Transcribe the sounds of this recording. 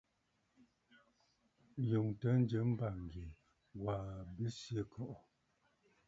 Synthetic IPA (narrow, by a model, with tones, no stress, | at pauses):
jo˨ŋtə˨˦n˦d͡ʒə˨˦m̩˦ba˨ŋ˨ɡe˨ | waː˨bi˦sje˦˨kʰɔ˨ʔɔ˨